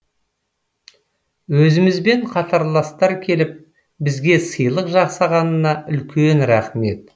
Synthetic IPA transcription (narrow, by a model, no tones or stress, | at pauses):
wɵzɪmɪzbe̞ɴqʰɑt̪ʰɑɾlˠɑst̪ɑɾkʲʰe̞lɪp̚ | bɪzɡʲe̞səjlˠəqʒɑqsɑʁɑnənɑʔʏlkʲe̞nɾæχme̞t̪̚